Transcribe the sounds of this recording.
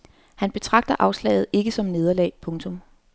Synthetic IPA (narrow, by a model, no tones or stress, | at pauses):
hænb̥e̝t͡sʰʁɑ̈ɡ̥̚d̥ɐʔɑ̈ʊslɛ̰ɪð̩ˠe̝ɡ̥əsɒ̽mne̝ð̞ˠɐlɛ̰ːpʰɔ̽ŋt͡sʰo̽m